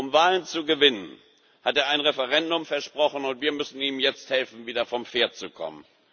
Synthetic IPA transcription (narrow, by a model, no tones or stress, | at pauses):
ʔʊmvaːlənt͡suɡəvɪnən | hateːɐaɪnʁɛfɛʁɛndʊmfɛɐʃpʁ̥ɔχn̩ʊntv̥iːɐmʏsn̩iːmjɛt͡sthɛlfn̩viːdɐfɔmfeːɐt̚t͡sukʰɔ̰mən